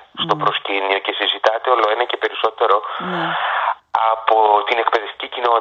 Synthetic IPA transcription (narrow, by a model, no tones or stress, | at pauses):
st̪o̞pɾo̞scinio̞ce̞sizit̪ɐt̪e̞o̞lo̞e̞nɐce̞pe̞ɾiso̞t̪e̞ɾo̞ | ɐpot̪inekpe̞ðe̞ft̪i̥cicino̞